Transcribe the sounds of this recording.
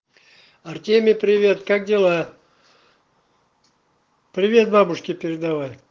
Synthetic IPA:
ɐrt̪ʲemʲɪpɾʲɪvʲe̞t̪kak̚dʲɪlˠa | pɾʲɪvʲe̞t̪̚babʊʂkʲɪpʲɪɾʲɪd̪avaj

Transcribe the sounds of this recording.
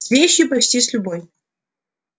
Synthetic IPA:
svʲeɕːipɾɐt͡ɕt̪ʲisʲlʲuboj

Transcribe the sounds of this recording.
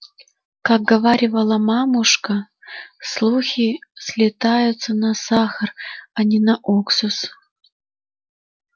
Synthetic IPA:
kak̚ɡɐvaɾʲɪvəlˠəmamʊʂkə | slˠuxʲisʲlʲɪt̪ajʊt̪sənɐsaxəranʲinɐʔoksʊs

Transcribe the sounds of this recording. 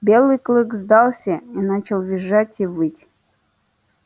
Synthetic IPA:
bʲelˠɨjklˠɨkzd̪ɑlˠsʲəinat͡ɕɪlˠvʲɪʐatʲivɨtʲ

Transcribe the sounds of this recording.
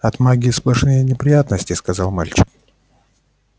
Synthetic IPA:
ɐt̪maɡʲɪsplˠɐʂnɨjənʲɪpɾʲɪjat̪nəsʲtʲɪskɐzalˠmalʲt͡ɕɪ̥k̚

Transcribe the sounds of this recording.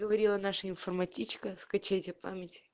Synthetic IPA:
ɡəvɐɾʲilˠənaʂəɪnfərmɐtʲit͡ɕkəskɐt͡ɕɛjtʲɪpa̰mʲɪtʲɪ̥

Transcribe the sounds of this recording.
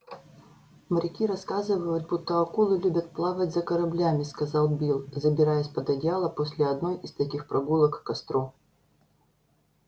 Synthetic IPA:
məɾʲɪkʲiɾɐskazɨvəjʊt̪̚but̪ːəɐkulˠɨlʲubʲət̪̚plˠavətʲzɐkɐɾɐblʲamʲɪskɐzɑlˠbʲilˠzəbʲɪɾajɛsʲpəd̪ɐdʲjalˠəposʲlʲɪɐd̪no̞jɪst̪ɐkʲixpɾʔɐɡulˠəkːɐst̪ɾo

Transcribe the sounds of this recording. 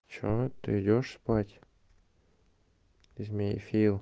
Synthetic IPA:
t͡ɕot̪ːɨ̰ɪdʲoʂspatʲ | ɪzʲmʲejfʲilˠ

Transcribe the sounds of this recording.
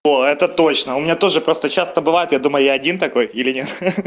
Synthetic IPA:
oɛt̪ət̪o̞t͡ɕnəʊmʲɪnʲat̪o̞ʐɨpɾo̞st̪ət͡ɕast̪əbɨvajɪt̪jad̪uməjʊjaɐdʲint̪ɐko̞jilʲɪnʲe̞t̪

